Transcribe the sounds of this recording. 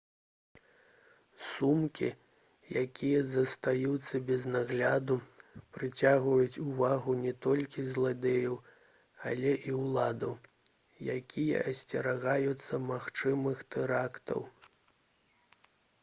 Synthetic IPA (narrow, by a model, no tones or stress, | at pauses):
sumkʲḭ | jakʲijɐzɐst̪ajut̪sːɐbʲɛznaɣlʲad̪upɾɨt͡sʲaɣvɐjut͡sʲuvaɣunʲɛt̪ɔlʲkʲizlˠad̪ʲɛjɐw | a̰lʲɛʔiwlˠad̪ɐw | jakʲʰijɐ̰ʔɐsʲt͡sʲɛɾaɣajut̪sːɐmaxt͡ʂɨmɨxt̪ɛɾakt̪ɐ̰w